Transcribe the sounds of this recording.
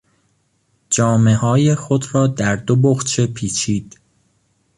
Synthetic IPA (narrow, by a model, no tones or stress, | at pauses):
d͡ʒɒːme̞hɒːje̞xo̞d̪ɾɒːd̪æɾd̪o̞boxt͡ʃʰe̞pʰiːt͡ʃʰiːd̪̥